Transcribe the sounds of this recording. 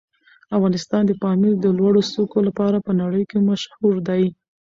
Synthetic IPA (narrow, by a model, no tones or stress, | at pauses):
afɣɑnɪst̪ɑnd̪əpɑmild̪əlwaɽosokolapɑɾapənaɽəjkemaʃhuɾd̪aj